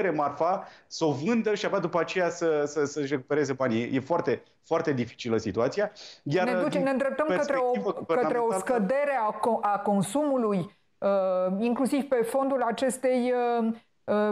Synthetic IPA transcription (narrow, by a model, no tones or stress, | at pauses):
ɾemarfaso̞vɨnd̪əʃiabad̪upəat͡ʃe̞jasəsəsəʃre̞ku̥pe̞ɾezebanʲijje̞foart̪e̞ | foart̪e̞d̪ifi̥t͡ʃiləsit̪uat̪sijajarned̪ut͡ʃenend̪ɾe̞p̚t̪əmkətsɾeoivəɡekətnaɾeoaskəd̪e̞ɾe̞akʔako̞nsumuluj | əiŋklusivpe̞fo̞nd̪ulat͡ʃe̞st̪e̞jə | ə